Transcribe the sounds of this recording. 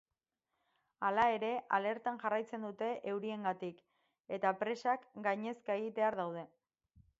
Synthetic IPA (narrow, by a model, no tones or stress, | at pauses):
alae̞ɾe̞ʔale̞ɾt̪anʝarajt͡se̞nd̪ut̪e̞ʔewɾie̞ŋɡat̪ik | e̞t̪apɾe̞sakɡajɲe̞skaeɣit̪e̞aɾðawð̞e̞